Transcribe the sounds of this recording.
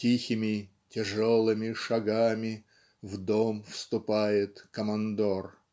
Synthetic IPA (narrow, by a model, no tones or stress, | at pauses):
tʲixʲɪmʲɪ | tʲɪʐolˠɨmʲɪʂɐɡamʲɪ | vd̪omfst̪ʊpajɪt̪kəmɐnd̪or